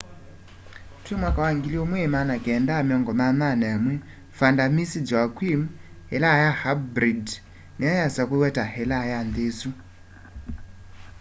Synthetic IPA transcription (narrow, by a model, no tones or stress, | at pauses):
twɛmwakawaŋɡiliɔmwɛmanakɛndamiɔŋɡɔmananamwɛ | fandamisid͡ʒwakwim | hɛlajahabɾid | niajasakwewɛtahɛlajandesu